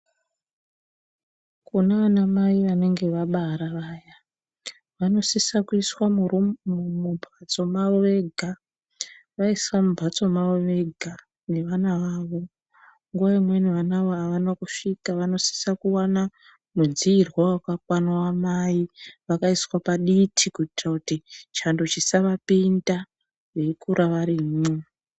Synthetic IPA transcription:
kunaʋanamaiʋane̞ŋɡe̞ʋaɓaɾaʋaːja | ʋano̞sisakuiswamurmubʱat͡so̞maʋoʋe̞ɡʱa | ʋaiswamubʱat͡so̞maʋoʋe̞ɡʱa | ne̞ʋanaʋaːʋo̞ | ŋɡuwaimweniʋanaʋoaʋanakuʂikaʋano̞si̥sakuwana | mud͡ziːrwawakakwanawamaiʋakaiswapaɗitʰikuitrakutit͡ʃando̞t͡ʃisaʋapinda | jekuɾʔaʋaɾime

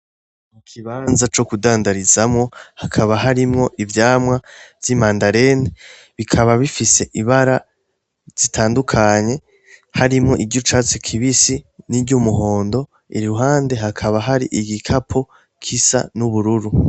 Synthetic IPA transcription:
mukʰiβaːnzat͡ʃo̞kudaːndaɾizamŋo̞hakʰaβaɦaɾimŋo̞ʔivjaːmwavjimaːndaɾe̞ne | βikʰaβaβifise̞ʔiβaɾa | z̥itʰaːndukʰaɲe̞ | haɾimŋo̞ʔiɾɟut͡ʃat͡sekʰiβisiniɾɟumuɦo̞ːndo̞ | ḭɾuɦaːnde̞ɦakʰaβaɦaɾḭʔiɡikʰapʰo | kʰisa̰nuβuɾuɾu

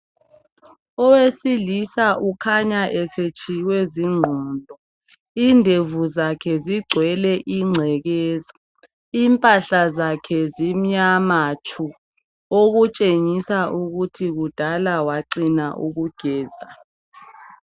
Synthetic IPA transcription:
ɔwesilisaʔukʰaɲaʔɛset͡ʃʰʼiwɛziŋ͡ǃʱɔːnldʱɔ | indʱevuzakʰɛziɡ͡ǀʱwɛlɛʔiŋ͡ǀʱɛɣɛːza | iːmpʼaɬazakʰɛzim̩ɲamat͡ʃʰu | oɣut͡ʃʼeŋisaʔuɣutʰiɣud̥ʱalawaǀinaʔuɣuɡ̥ʱɛːza

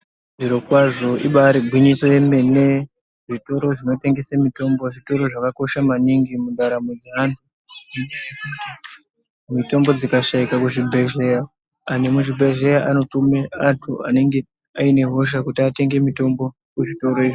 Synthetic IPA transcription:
ʐiɾokwaʐo̞ʔḭɓaɾiɡʱwiɲisemene̞ | ʐito̞ɾo̞ʐino̞te̞ŋɡe̞samito̞mbo̞ʐito̞ɾo̞ʐakako̞ʃamaniŋɡimundaɾamwed͡zianu | mito̞mbo̞d͡zikaʃaikakuʐibʱe̞ʒe̞jaː | ne̞muʐibʱeʒe̞jaʔano̞tumeantʰṵa̰ne̞ŋɡe̞ | aine̞ɦo̞ʃ̬akutiate̞ŋɡe̞mito̞mbo̞ | kuʐito̞ɾo̞iʐi

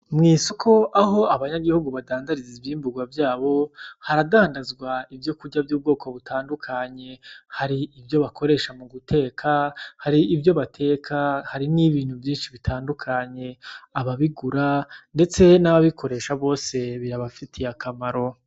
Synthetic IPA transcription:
mŋiːsokʰo̞ʔaɦo̞aβaɲaɡihuɡuβadaːndaɾiziβjiːmbuɡwavjaːβo̞haɾadaːndazɡwaivjo̞kuɟavjuːb̚ɡo̞ːkʰo̞βutʰaːndukʰaɲe̞haɾiivjo̞βakʰo̞ɾe̞ːʃamuɡutʰe̞ːkʰahaɾiivjo̞βatʰe̞ːkʰahaɾiniβiːn̥huvjiːnʃiβitʰaːndukʰaɲe̞aβaβiɡuɾande̞t͡se̞naβaβikʰo̞ɾe̞ʃaβo̞ːse̞βiɾaβafitʰijakʰamaɾo̞

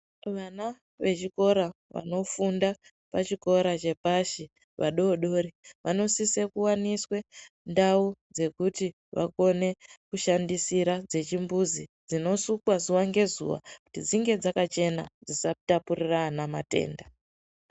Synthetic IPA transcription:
ʋana | ʋe̞t͡ʃiko̞ɾaʋa̰no̞funda | pat͡ʃiko̞ɾat͡ʃe̞paʃi | ʋaɗo̞ɗo̞ɾiʋʔano̞sisekuwaniswe̞ | ndaud͡ze̞kuti | ʋʔa̰ko̞ne̞kuʃandisiɾad͡ze̞t͡ʃimbuzid͡zino̞sukwazuwaŋɡe̞zṵʋa̰ku̥tid͡ziŋɡe̞d͡zakat͡ʃe̞na̰d͡zisatapuriranamate̞̰ːnda

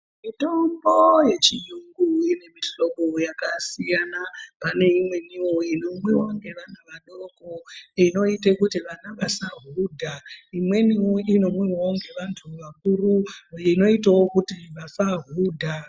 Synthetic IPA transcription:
mitombo̞je̞t͡ʃijuŋɡuine̞miɬoɓojakasijanapane̞imwe̞niwo̞ino̞mwiwoŋɡe̞ʋan̤uʋaɗo̞koino̞itekutiʋanaʋasaɦudʱaimwe̞nioino̞mwiwooŋɡe̞ʋantʰuʋakuruino̞itawo̞kutiʋafaɦuːdʱa

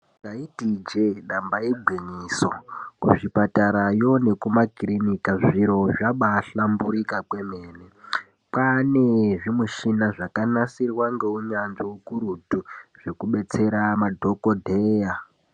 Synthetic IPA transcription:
ɡaitid͡ʒeɗambajeɡʱwiɲiːsokuʐipataɾajo̞ne̞kumakirinikaʐiɾo̞ʐaɓaɬambuɾikakwe̞me̞ːne | pane̞ʐimuʃinaʐakanasirwaŋɡe̞uɲanʐewukuɾutuʐ̥e̞kuɓe̞t͡se̞ɾamadʱo̞kodʱeːja

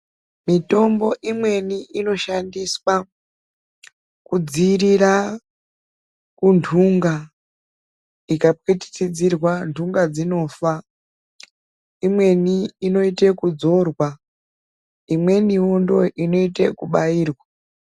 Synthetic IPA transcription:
mito̞mbo̞ʔimwe̞niʔino̞ʃandiswa | kud͡ziɾiɾa | kundʰuŋɡa | ikap̚witi̥tid͡zirwantʰuŋɡad͡zino̞ːfa | imwe̞niːno̞ite̞kud͡zo̞rwa | imwe̞niundo̞ʔino̞ite̞kuɓaiːrwa

